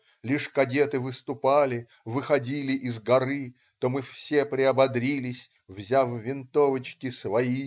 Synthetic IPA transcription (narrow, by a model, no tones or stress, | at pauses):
lʲiʂkɐdʲe̞t̪ɨvɨst̪ʊpalʲɪ | vɨxɐdʲilʲɪʔɪzɡɐɾɨ | t̪omɨfsʲepɾʲɪɐbɐd̪ɾʲilʲɪsʲ | vzʲavːʲɪnt̪ovət͡ɕkʲɪsvɐi